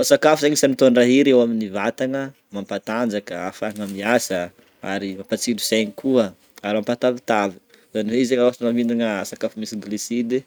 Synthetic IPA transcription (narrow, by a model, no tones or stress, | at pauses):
fasakafuzaɲisanit̪oanraɦiɾewaminivat̪aŋə | mampat̪and͡zakəafaŋəmiasə | a̰ɾimapat͡silusajɲikʰuə | aɾimampat̪avit̪avi̥ | zaniweizeŋaanavind̪inəasakafumisiɡlisid̪e